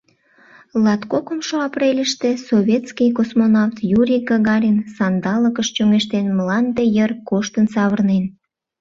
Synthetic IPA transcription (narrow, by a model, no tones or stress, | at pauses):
lɑt̪kokəmʃoɑprelʲəʃt̪esoβʲet̪skijkosmonɑft̪juɾʲiɡɑɣɑɾʲinsɑnd̪ɑləkəʃt͡ɕøŋeʃt̪enmlɑnd̪ejərkoʃt̪ənsɑβərnen